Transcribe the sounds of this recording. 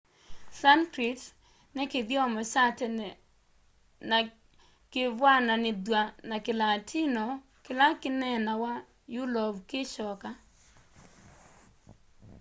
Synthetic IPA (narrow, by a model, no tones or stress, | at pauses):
sankɾit | nɛked̪jɔmɔsatɛ | n | kɪvwananɪd̪wanakɪlatʰinɔ | kɪlakɪnɛnawa | jʊlɔbkeʃɔka